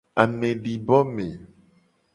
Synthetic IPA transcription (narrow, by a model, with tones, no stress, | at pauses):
a˨mẽ˨ɖi˨bɔ˦mẽ˨